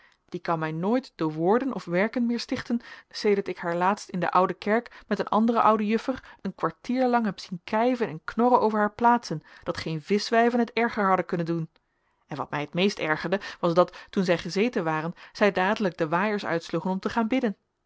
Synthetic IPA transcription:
d̥ikɑnmɛjnoːjtd̥ʊːɹʋʊːɹdənʔɔfʋɛɹkənmɪːɹstɪχtənsejdəɹtɪkɦaːɹlaːtstɪndə̰ʔʌwdəkɛɹkmɛtənʔɑ̰ndərəʔʌwdəjɵfərənkʋaɹtiːɹlɑŋɦɛpsinkɛjvənɛnknɔɾənowvəɹɦaːɹplaːtsənd̥ɑtχejnvɪsʋɛjvənɦətɛɹχəɹɦɑdəkɵnəndun | ɛnʋɑ̰tmɛjɦətmejstɛɹχəɹdəʋɑsdɑttunzɛjχəzejtənʋaːrənz̥ɛjdaːdələkɡ̚dəʋaːjəɹsœ̰ɥtsluχənɔmtəχaːnbɪdən

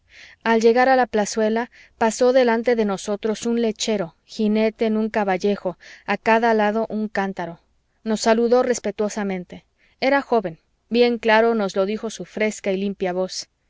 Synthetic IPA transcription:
alʝe̞ɣaɾalaplaswe̞la | paso̞ðe̞lant̪e̞ðe̞no̞so̞t̪ɾo̞sunle̞t͡ʃe̞ɾo̞ | xine̞t̪e̞ːnũŋkaβaʝe̞xo̞akaðalaðo̞ʔuŋkant̪aɾo̞ | no̞sːaluðo̞re̞spe̞t̪wo̞samẽ̞nt̪e̞ | e̞ɾaxo̞βe̞n | bje̞ŋklaɾo̞no̞zlo̞ðixo̞sufɾe̞skailimpjaβo̞s

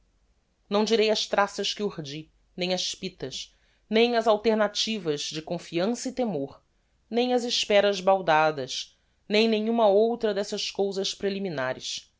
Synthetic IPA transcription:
nɐ̃w̃d͡ʒiɾejɐʃt̪ɾasɐʃkɪuhd͡ʒi | nẽj̃ɐʃpit̪ɐʃ | nẽj̃ɐzawt̪eɾnat͡ʃivɐʒd͡ʒɪkõfiɐ̃sɐit̪emoɾ | nẽj̃ɐzɪʃpɛɾɐzbawd̪ad̪ɐʃ | nẽj̃nẽjɲũmɐowt̪ɾɐd̪ɛsɐskowzɐʃpɾeliminaɾɪ̰ʃ

